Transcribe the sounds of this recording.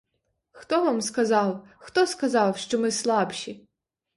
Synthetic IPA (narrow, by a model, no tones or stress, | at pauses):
xt̪ɔʋamskɐzɑw | xt̪ɔskɐzɑwʃt͡ʃɔmɪslˠɑpʃʲi